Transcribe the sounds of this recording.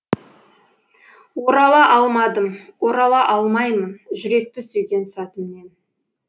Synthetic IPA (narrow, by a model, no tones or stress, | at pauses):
wo̞ɾɑlˠɑʔɑlˠmɑd̪əmwo̞ɾɑlˠɑʔɑlˠmɑjmənʒʏɾe̞k̚t̪ɪsʏjɡʲe̞nsɑt̪əmne̞n